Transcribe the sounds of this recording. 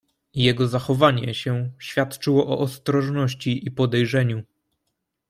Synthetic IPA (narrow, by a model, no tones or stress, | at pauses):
jɛɡɔzaxɔvaɲɛɕɛɕfʲjat̪t͡ʂɘwɔʔɔʔɔst̪ɾɔʐnɔɕt͡ɕiʔipɔd̪ɛjʐɛɲu